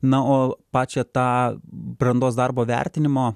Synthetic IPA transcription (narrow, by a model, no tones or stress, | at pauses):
nɐoːpɑːt͡ʃʲɛt̪ɑːbɾɐnd̪oːsd̪ɑrboːʋʲæ̰ɾʲt̪ʲɪnʲɪmoː